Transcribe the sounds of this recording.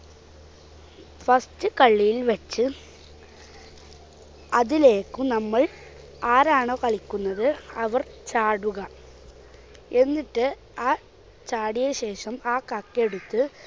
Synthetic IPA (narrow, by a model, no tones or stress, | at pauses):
fɐstɨkɐɭːijilʋɐt͡ɕːɨ | ɐðile̞ːkːunɐmːɐɭ | aːɾaːɳoːkɐɭikʲːunːɐðɨɐʋɐrt͡ɕaːɽuɣɐ | e̞nːiʈːɨ | aː | t͡ɕaːɽijɐɕe̞ːʂɐmaːkɐkːe̞ɽut̪ːɨ